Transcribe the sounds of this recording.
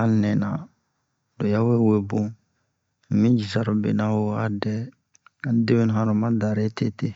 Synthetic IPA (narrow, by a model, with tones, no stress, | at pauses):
ã˦nɛ˨na̰˨ | do˨ja˦we˦we˦bõ˦ | m̩˨mĩ˦d͡ʒi˨sa˦ɾo˨bḛ˨na˦wo˦a˦dɛ˦ | a˨˦de˦we˦n˨ɦã˦ɾu˨mã˦da˨ɾe˦te˦te˨